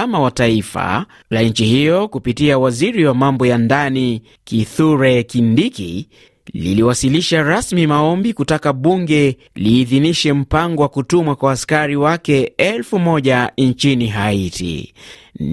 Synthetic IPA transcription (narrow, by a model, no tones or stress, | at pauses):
amawataifa̰ | laɲ̩t͡ʃihijɔkupitiawaziɾiwamambɔjandani | kiθuɾɛkindikḭ | lḭliwasiliʃaɾasmimaɔmbikutakaɓuŋɡɛ | liːðiniʃɛm̩paŋɡɔwakutumwakwaːskaɾiwakɛɛlfumɔʄant͡ʃiniɦaitʰḭ